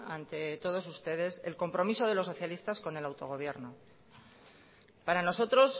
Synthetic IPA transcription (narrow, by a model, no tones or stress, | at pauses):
ant̪e̞t̪o̞ð̞o̞sust̪e̞ð̞e̞se̞̰lko̞mpɾo̞miso̞ð̞elo̞sːo̞θjalist̪asko̞ne̞lawt̪o̞ɣ̞o̞β̞je̞ɾno | paɾano̞so̞t̪ɾo̞s